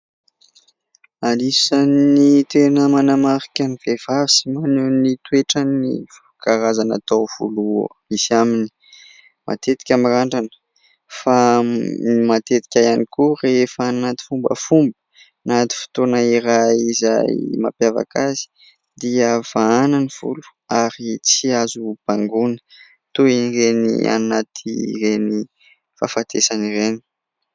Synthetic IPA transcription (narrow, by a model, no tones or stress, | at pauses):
alisanit̪enəmanamaɾikʲanivev̥avi̥simanenit̪weʈ͡ʂanḭf | kaɾazana̰t̪owv̥ṵlumisamini | mʔa̰t̪et̪i̥kʲamiraɳɖ͡ʐanə̥ | fa | mat̪et̪i̥kʲajanikurefanat̪i̥fumbə̰fumbə̥ | nat̪i̥fi̥t̪onaiɾaizajma̰pjava̰kʰazi̥ | d̪iəv̥aananiv̥ṵlu̥ | aɾit͡siazub̥aŋɡunə̥ | t̪oinirenḭa̰nat̪ʰireni | fa̰fat̪ʰesanireni̥